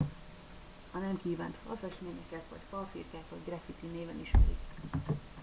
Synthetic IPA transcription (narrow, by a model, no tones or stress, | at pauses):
ɒnɛmkiːva̰ːnt̪fɒ̰lfɛʃmeːɲɛkɛt̪vɒ̰cfɒlfḭrkaːt̪vɒɟɡrɛfit̪ineːvɛniʃmɛ̰ɾḭk